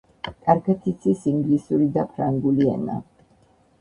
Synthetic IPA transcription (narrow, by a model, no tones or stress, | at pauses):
kʼaɾkʰɛt̪ʰit̪sʰisiŋɡlisuɾid̪apʰɾaŋɡuliɛ̰na̰